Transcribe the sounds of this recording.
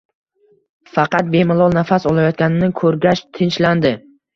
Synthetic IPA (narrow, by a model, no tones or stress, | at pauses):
fɑqɑt̪̚bemɪlˠɒlˠnafasɒlˠajɒt̪̚kʲanɪnɪkʰɵɾɡʲaʃt̪ʰɪnt͡ʃland̪ɪ